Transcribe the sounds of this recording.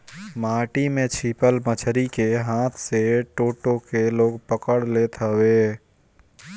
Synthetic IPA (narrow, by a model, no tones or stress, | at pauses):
maːʈimẽt͡ʃʰiːpəlmət͡ʃʰɾikeɦãːt̪ʰseʈoːʈokeloːɡpəkəɽlet̪əwe